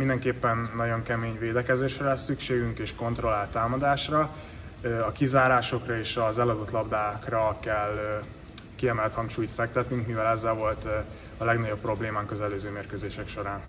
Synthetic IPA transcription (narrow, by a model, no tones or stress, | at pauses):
mind̪ɛŋkeːpːɛnːɒɟo̞ŋkɛmeːɲveːd̪ɛkɛzeːʃrɛlɛsːykʃeːɡyŋkeːʃko̞nt̪ro̞laːlt̪aːmɒd̪aːʃrɒ | ɒkizaːɾaːʃo̞krɒeːʃɒzɛlɒd̪ot̪lɒbd̪aːkrɒkɛlː | kiɛmɛlt̪hɒŋkʃuːjt̪fɛkt̪ɛt̪nyŋkmivɛlɛzːɛlvo̞lt̪ | ɒlɛɡnɒɟo̞pːro̞bleːmaːŋkɒzɛløːzøːmeːrkøːzeːʃɛkʃo̞ɾaːn